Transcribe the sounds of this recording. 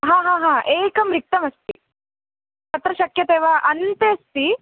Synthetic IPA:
ɦãːɦãːɦãːʔeːkɐmɾik̚t̪ɐmɐst̪ḭ | t̪ɐt̪ɾɐʃɐkjɐt̪eːʋɐʔɐnt̪eːst̪i

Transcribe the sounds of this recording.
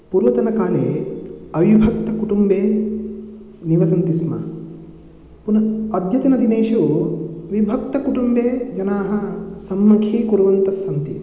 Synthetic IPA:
puːɾʋɐt̪ɐnɐkaːneːɐʋibʱɐk̚t̪ɐkuʈumbeː | niʋɐsɐnt̪isɐmɐ̰ | punɐɐd̪ʱjɐt̪inɐd̪ʱineːʃu | ʋibʱɐk̚t̪ɐkuʈumbeːd͡ʒɐnaːɦɐsɐmːɐkʰiːkuɾʋɐnt̪ɐsːɐnt̪i

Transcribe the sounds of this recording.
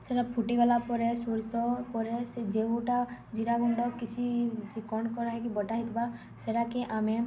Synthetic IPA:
seɾapʰuʈiɡɔlapɔɾɛsuɾsɔpɔɾɛsed͡ʒeuʈad͡ʒiɾaɡuɳɖɔkːit͡ʃʰit͡ʃikɔnkɔɾaɦɛk̬ibɔʈaɦit̪ba | seɾakeʔame

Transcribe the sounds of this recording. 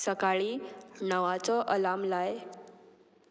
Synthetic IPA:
səkaɭiːnəʋat͡sɔʔəlamlaj

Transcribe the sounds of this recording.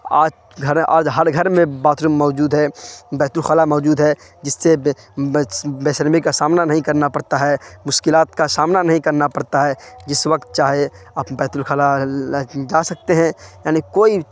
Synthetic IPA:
aːd͡ʒ | ɡʱəɾʔaːd͡ʒɦəɾɡʱəɾmẽbaːt̪ɾumɔːd͡ʒuːd̪ɦɛbɛːt̪ʊlxaːlamɔːd͡ʒuːd̪ɦɛ | d͡ʒɪsːe | beːsəɾmikasaːmnanɐɦĩkɐɾnapɐɽt̪aɦɛmʊʃkɪlaːt̪kasaːmnanɐɦĩkɐɾnapɐɽt̪aɦɛd͡ʒɪswək̚t̪̚t͡ʃaːɦe | aːpbɛːt̪ʊlxaːla | d͡ʒaːsɐk̚t̪eɦɛ̃jaːnikoːi

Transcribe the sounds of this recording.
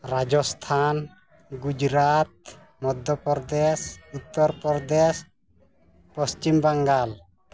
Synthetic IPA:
ɾad͡ʒɔst̪ʰan | ɡud͡ʒɾat̪̚ | mɔd̪ʱjɔpɔɾd̪esut̪ːɔɾpɔɾd̪es | pɔst͡ʃimbaŋɡal

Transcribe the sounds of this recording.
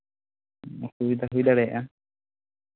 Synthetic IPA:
ɔkubid̪aɦujd̪aɽɛʔa

